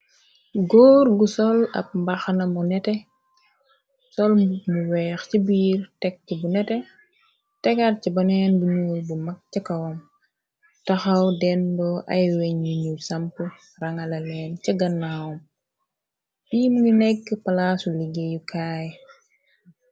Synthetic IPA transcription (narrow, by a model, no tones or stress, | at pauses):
ɡɔːrɡusɔlɐ̰p̚mbɐxnɐmunɛtɛ | sɔlmuwɛːxcibiːrtɛk̚ːibunɛtɛ | tɛkɐrcibɐnɛːnbuɲuːlbumɐk̚cɐkɐwɐm | tɐxɐwdɛndɔʔɐ̰jwɛɲuɲusɐmpu | rɐŋɐlɐlɛːnt͡ʃɐɡɐnːaːwɔm | biːmuɲinɛkːpɐlasuliɡejukʰaːj